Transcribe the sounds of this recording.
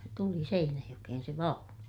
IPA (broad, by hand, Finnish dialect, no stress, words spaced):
tuli seinæjokehen se ʋɑunu